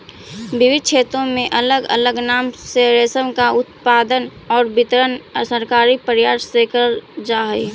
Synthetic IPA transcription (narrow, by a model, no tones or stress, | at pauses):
bɪʋɪd̪̚t͡ʃʰeːt̪ɾõmẽʔələɡə̰ləɡnaːmseɾesəmkaʊt̪paːd̪ən | ɔːɾbɪt̪ɾənsəɾkaːɾipəɾjaːʃsekəɾd͡ʒaːɦəi